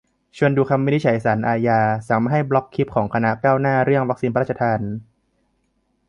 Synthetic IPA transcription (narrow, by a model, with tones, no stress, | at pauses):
t͡ɕʰu˧ənduː˧kʰa˧mːi˧˦˥ni˦˥t͡ɕʰa˩˦jsaː˩˦nʔaː˧jaː˧sa˩˦ŋma˧˩ɦa˥˩jblɔ˦˥kʰːi˦˥p̚kʰɔː˩˦ŋkʰa˧na˦˥kaː˥˩wnaː˥˩ɾɯ˥˩əŋwa˦˥k̚siː˧npa˧ɾa˥˩t͡ɕa˧aː˧n